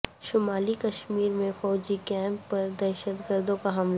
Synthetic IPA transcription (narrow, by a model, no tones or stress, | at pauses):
ʃʊmaːlikɐʃmiːɾmẽfɔːd͡ʒikɛ̃ːmpːɐɾd̪ɛːʃət̪ɡəɾd̪õkaɦɐml